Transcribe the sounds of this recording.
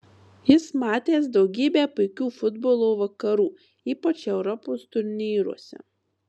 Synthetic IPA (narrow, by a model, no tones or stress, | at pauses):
jɪsmɑːt̪ʲeːsd̪ɒʊɡʲiːbʲeːpʊɪkʲuːfʊd̪boːlˠoːʋɐkɐɾuː | iːpɐt͡ʃɛʊɾɔpoːst̪ʊɾʲnʲiːɾṵɔsʲɛ̰